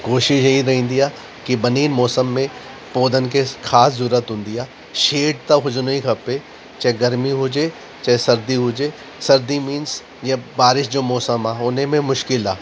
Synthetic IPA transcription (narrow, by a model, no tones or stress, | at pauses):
koːʃɪʃjɐiɾɐɦĩːnd̪ijaː | kibɐniːnmɔːsəmːẽ | poːd̪ənkexʰaːszuːɾət̪ɦʊ̃nd̪ijaː | ʃeːɖt̪aɦʊd͡ʒnoikʰɐpe | t͡ʃaːeɡɐɾmiɦuːd͡ʒe | t͡ʃaːesɐɾd̪iɦuːd͡ʒeː | sɐɾd̪imĩːns | jebaːɾɪʃd͡ʒoːmɔːsəmaːʊnɦẽmẽmʊʃkɪlɦaː